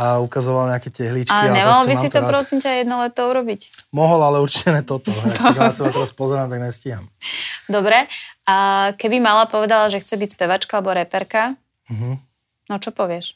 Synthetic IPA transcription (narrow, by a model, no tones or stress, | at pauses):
aukazɔʋalɲɛakɛcɛɦliːt͡ʃakiɲɛmalɔbisit̪ɔpɾɔsiɲcajɛd̪nɔlɛt̪ɔuɾɔbicmɔɦɔlalɛuɾt͡ʃicɛnɛt̪ɔt̪ɔkasabaat̪ɛɾaspɔzɛɾaːmt̪aɡɲɛsciɦa̰md̪ɔbɾɛakɛbimalapɔʋɛd̪alaʒɛxt͡sɛbicspɛʋat͡ʃkaalɛbɔɾɛpɛɾka | m̩ɦ̩ | nɔt͡ʃɔpɔʋɪɛʃ